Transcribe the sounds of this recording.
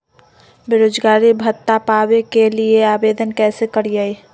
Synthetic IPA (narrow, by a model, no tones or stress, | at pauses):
beɾoːd͡ʒɡaːɾibʱət̪ːapaːwekelieaːbeːd̪ənkɛːsekəɾijəi